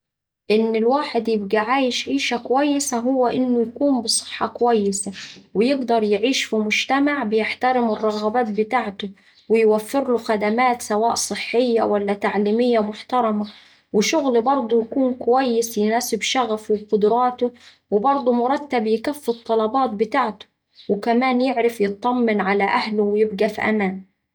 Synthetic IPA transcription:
ʔɪnːɪlwaːħɪd̪jɪb̚ɡiʕaːjɪʃʕiːʃakʊwajːɪsaɦʊwːaʔɪnːʊjakuːmbɨsˤɨ̥ħːɑkʊwajːɪsawɪjɪɡd̪ɑɾˤjɪʕiːʃfimʊd͡ʒt̪amaʕbɪjɪħt̪aɾɪmɪrˤːɑɣɑbaːt̪̚bɪt̪aːʕt̪ʊ | wɪjwafːɪɾlʊxad̪amaːt̪sawaːʔsˤɨħːɪjːawalːat̪aʕliːmɪjːamʊħt̪ɑɾˤɑma | wɪʃʊɣlbɑɾˤd̪ˤʊjkuːnkʊwajːɪsjɪnaːsɪbʃaɣafwɪbqʊd̪ɾˤɑːt̪ʊ | wɪbɑɾˤd̪ˤumʊɾˤɑt̪ːabjɪkafːɨt̪ˤːɑlɑbɑːt̪̚bɪt̪aːʕt̪ʊ̥ | wɪkamaːnjɪʕɾɪfjɨt̪ˤːɑmːɪnʕalaʔahlʊwɪjɪbɡafiʔa̰maːn

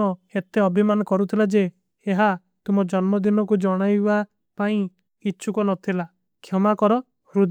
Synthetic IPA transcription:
ɔet̪eɔbʱimanɔkɔɾut̪ʰilad͡ʒeː | ɦa | t̪umɔd͡ʒɔnmɔd̪inɔkud͡ʒɔɽ̃ajba | paĩ | kit͡ʃʰukɔnɔt̪ʰila | kʰjɔmakɔɾɔ | hɾud̪

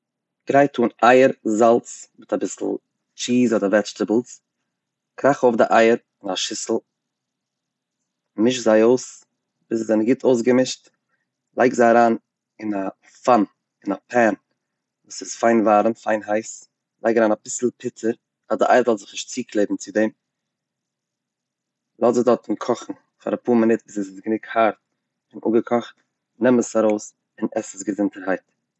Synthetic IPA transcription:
ɡ̥ɾaɪtʰuːnaɪəɾzalˠt͡smɪtabɪsl̩ˠ | t͡ʃiːzɔdəɾvɛt͡ʃtəbl̩ˠs | kɾaχoʊfdɪʔaɪəɾ | ɪnaʃɪsl̩ˠ | nɪʃzaɪoʊs | b̥ɪszaɪnəɡɪtʰoʊs̬ɡəmɪʃt | lˠa̰ɪkzaɪaɾaːn | ɪna | fan | ɪnapʰɛn | vuːsɪsfaɪnvaːɾn̩faɪnɦaɪs | lˠa̰ɪkaɾaːnabɪsl̩ˠpʰɪtʰəɾ | adəʔa̰ɪɾzɔlˠzɪχnɪʃtt͡siːkʰlˠeɪdn̩t͡sɪdɛm | lˠɔzɪχdɔɾtɪnkʰɔχn̩ | fa̰ɾapuːɾmɪnɪtbɪsəsɪsɡənɪkhaɾt̚ | ɪnʔṵɡəkʰɔχt | nɛməsaɾoʊs | ɪnɛsəsɡəzɪntəɾɦaɪt

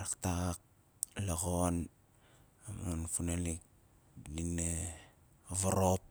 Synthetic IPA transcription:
ɾaktak̚ | laɣon | amonfunalik̚ | dine | βaɾop̚

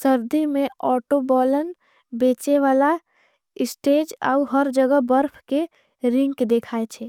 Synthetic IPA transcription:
səɾd̪imẽɔːʈobɔːlən | beːt͡ʃeʋaːla | ɪsʈeːd͡ʒa̰uɦəɾd͡ʒəɡəɦbəɾpʰke | ɾɪ̃ŋɡked̪eːkʰaːet͡ʃʰɛː

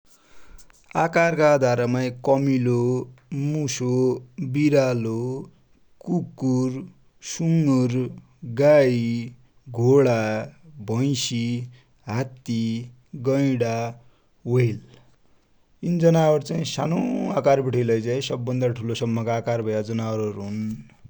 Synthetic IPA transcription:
akarkaːd̪ʱaɾʌmaj̃kʌmilomusobiɾalo | kukur | suŋɡur | ɡaji | ɡʱoɽabʱʌj̃si | ɦat̪i | ɡʌjɽa | wʌjl | ind͡zʌnaʌɾt͡saĩsanoakarbiʈʰʌjlʌjt͡saĩsʌbːʌnd̪aʈʰulosʌmːʌkaːkarbʱʌjad͡zʌnaʌɾʌɾɦun

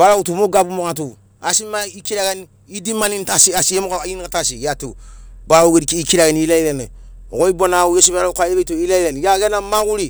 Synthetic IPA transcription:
baɾautumoɡabumokat̬u | asimaikiɾakeni | idimanintasiasiemukaajinikatasijatebaːoɡeɾikiikiɾakeniilaiɾene | o̰koibonaujesubaɾakʷajebetoilaiɾenijakenamakuɾi

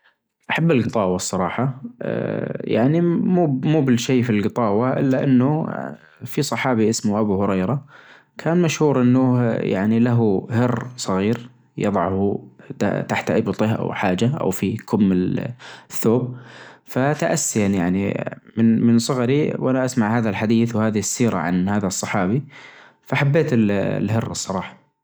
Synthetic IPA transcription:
ʔaħabːɪlɡɨt̪ˤɑːwɑsˤːɑɾˤɑːħɑʔja̰ʕnimuːmuːbɪlʃeːfilɡɨt̪ˤɑːwɑʔɪ̰lːaʔɪnːʊ | fisˤɑħɑːbiʔɪsmʊʔabuhʊɾɑjɾɑ | kʰaːnmaʃhuːɾʔɪnːʊja̰ʕnilaɦʊhɪrːsˤɑɣiːɾ | jɨ̰ðˤɑʕhut̪a̰t̪aħt̪ʕɪbt̪ˤɪʔa̰wħaːd͡ʒaʔa̰wfikʊmːɪ | θːoːb̚fat̪aʔasːijanjaʕnḭmɪnmɪnsˤɑɣɑɾiwʔanaʔasmaʕhaːðalħad̪iːθwhaːðɪɪsːiːɾa̰ʕa̰nhaːðasˤːɑħɑːbi | faʔaħabːeːt̪ɪl̰lɦɪrːsˤːɑɾˤɑːħɑ̥

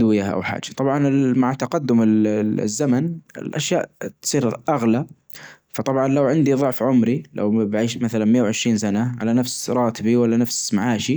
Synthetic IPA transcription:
wɪjaʔa̰wħa̰ːd͡ʒḁt̪ˤɑbʕɑnɪmaʕt̪aqad̪ːʊmɪ̰zːamanɪ̰lʔa̰ʃjaːʔt̪sˤiːɾʔaɣla | fɑt̪ˤɑbʕɑnlawʕɪnd̪iðˤʊʕfʕʊmɾilʔa̰wbʕiːʃmaθalanmɪjːawʕɪʃɾiːnsanaʕalanafsɾˤɑːt̪ɪbiwalːanafsmaʕaːʃi

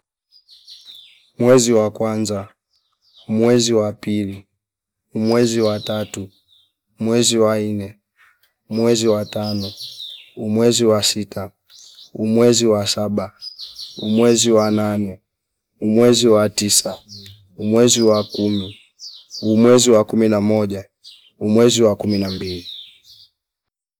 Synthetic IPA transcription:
umwɛziwakwanza | umwɛziwapili | umwɛziwatatuː | mwɛziwainɛ | umwɛziwatanɔumwɛziwasita | umwɛziwasaɓa | umwɛziwananɛ | umwɛziwatisa | umwɛziwakumi | umwɛziwakuminamɔʄa | umwɛziwakuminambili

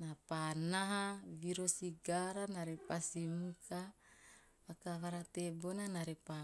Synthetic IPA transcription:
napanaɦaviɾosiɡaɾanaɾepasimuka | akaβaɾat̪ebonanaɾepa

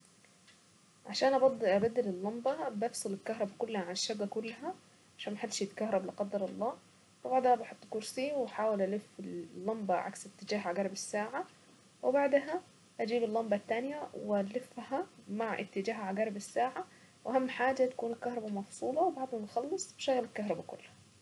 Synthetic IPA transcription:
ʕaʃaːnʔabɑd̪ʔabad̪ːɪlɪlːɑmbɑbɪfsˤɨlɪlkaɦɾˤɑbakʊlːhaʕanɪʃːabːakʊlːɦa | ʕaʃaːnmaħad̪ʃjɪt̪kaɦɾˤɑblɪqɑd̪ːɑɾˤɑlˤːɑː | wɪbaʕd̪habɑħot̪ˤːkʊɾsiwɪħaːwɪlʔalɪfɪlːɑmbɑʕa̰ksɪt̪ːɪd͡ʒaːɦʕaɡɑɾˤɪbɪsːaːʕa | wɪbaʕd̪ɦæ | ʔæd͡ʒiːbɪlːɑmbɑt̪ːaːnjæwɪlɪfːhæmaʕʔɪ̰t̪ːɪd͡ʒaːɦʕaɡæːɾˤɪbɪsːaːʕa | wʔæɦamːħaːd͡ʒat̪ḁkuːnɪlkahɾˤɑbamɑfsˤuːlɑwbɑʕd̪ˤhɑmnxɑlːɨsˤbɪʃæɣːlɪlkaɦɾˤɑbakʊ̰lːhæ̥

